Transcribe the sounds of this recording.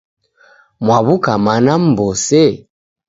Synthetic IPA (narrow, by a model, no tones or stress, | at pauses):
mwaβukamanam̩bɔsɛ